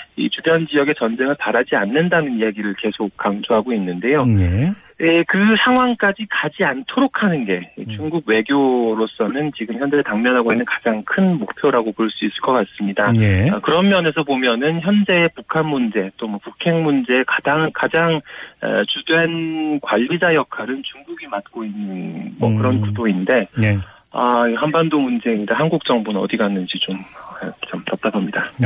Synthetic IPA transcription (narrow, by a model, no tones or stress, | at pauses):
ḭt͡ɕubjʌnd͡ʑijʌɡe̞t͡ɕʌnd͡ʑe̞ŋɯɭpaɾad͡ʑianːɯndanɯnijaɡiɾɯɭke̞sʰok̚k͈ːaŋd͡ʑoɦaɡoinːɯnde̞jo | ekɯsʰaŋɦwaŋk͈ad͡ʑikad͡ʑiantʰoɾokʰanɯnɡe̞it͡ɕuŋɡuɡ̚we̞ɡjoɾos͈ʌnɯnt͡ɕiɡɯmçjʌnd͡ʑetaŋmjʌnɦaɡoinːɯnkḁd͡ʑaŋkʰɯnmok̚pʰjoɾaɡopoɭs͈uis͈ɯ̥ɭk͈ʌk͈ats͈ɯmɲidakɯɾʌmmjʌne̞sʰʌpomjʌnɯnçjʌnd͡ʑe̞ːpukʰanmund͡ʑe̞t͈omwʌpukʰe̞ŋmund͡ʑe̞ːkad͡ʑaŋkad͡ʑaŋʌ̰t͡ɕudwe̞nkwaʎːid͡ʑajʌkʰaɾɯnt͡ɕuŋɡuɡimat̚k͈oinːɯnmʌ̰kɯɾʌnkudoinde̞ | aiɦanbandomund͡ʑe̞idaɦanɡuk̚t͡ɕ͈ʌŋbunɯnʌ̰diɡanːɯnd͡ʑit͡ɕomʌt͡ɕamtap̚t͈azʰʌmɲida